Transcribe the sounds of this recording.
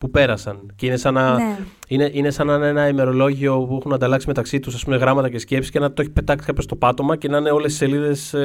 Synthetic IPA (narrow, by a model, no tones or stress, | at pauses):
pupe̞ɾɐsɐnceinesɐnɐineʔinesɐnɐne̞nɐime̞ɾo̞lo̞ʝio̞pue̞xunɐnd̪ɐlɐksime̞t̪ɐksit̪usɐspumeɣɾɐmɐt̪ɐce̞sce̞psi̥cenɐt̪oeçi̥pe̞t̪ɐksi̥kɐpost̪o̞pɐt̪o̞mɐcenɐne̞o̞lesi̥se̞liðe̞s